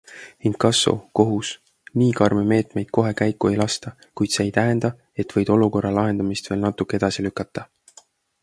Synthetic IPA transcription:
inkɑsːo̰ko̞ɦus | niːkɑrmeme̞ːt̪me̞jd̪̥̚ko̞ɦe̞kæjkːˑue̞jlɑst̪ɑ | kujd̪̥se̞ːjt̪æɦe̞nd̪ɑ | e̞t̪ːˑvɤ̞jd̪̥o̞luko̞rːɑlɑɦe̞nd̪̥ɑmist̪ve̞ːlnɑt̪ːˑukːˑee̞d̪̥ɑsilykːˑɑt̪ːˑɑ

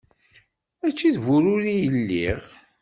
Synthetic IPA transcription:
æt͡ʃːiðvʊɾʊɾijəlːiʁ

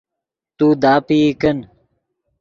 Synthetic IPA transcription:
t̪uːd̪aːpikɐn

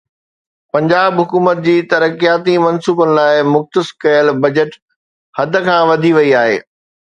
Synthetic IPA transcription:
pɐ̃ɲd͡ʑaːbɦʊkuːmət̪̚d͡ʑiːt̪ɐɾəkijaːt̪imɐnsuːbənɪ̆laːɪmʊxt̪əskɐjəlbɐd͡ʑəʈ | hɐd̪̆ʱkʰãːʋɐd̪ʱiʋɐiaːɦḛː

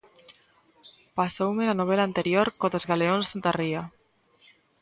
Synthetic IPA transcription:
pasowmelanoβ̞elaːnt̪eɾjoɾkoðozɣaleonsnt̪aria

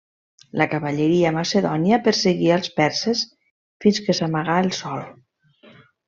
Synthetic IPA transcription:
ləkaβaʎəɾiəmaseðɔnjapəɾseɣiəlˠspɛɾses | finskəsamaɣaəlˠsɔl

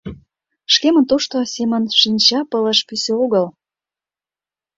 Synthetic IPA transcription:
ʃkemə̆nt̪oʃt̪osemə̆nʃinʲt͡ɕɑpə̆lə̆ʃpyseoɣəl

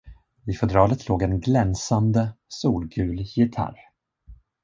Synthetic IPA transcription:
ɪfɛd̪ɾɑːlət̪ʰloːɡɛnɡlɛnsand̪əsuːlɡʉːljɪt̪ʰa̰ɾ

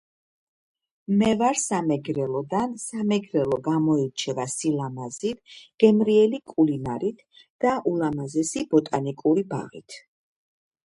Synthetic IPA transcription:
mɛvaɾsamɛɡɾɛlˠɔd̪ansamɛɡɾɛlˠɔɡamɔiɾt͡ʃʰɛvasilamazit̪ɡ̥ɛmɾiɛlikʼulinaɾit̪ʰ | d̪̥aʔulamazɛsib̥ɔt̪ʼanikʼuɾiba̰ʁḭt̪ʰ

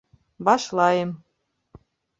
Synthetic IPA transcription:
bɑʃlɑjem

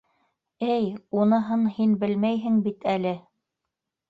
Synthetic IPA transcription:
ɘjunɤ̆ɦɤnhinbɘlmæjɦɘŋbit̪ʰælɘ

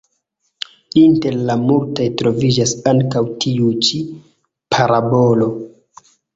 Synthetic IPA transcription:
inte̞ɾlamultajtɾo̞vid͡ʒasaŋkawtʰiut͡ʃi | pʰaɾabolo̞

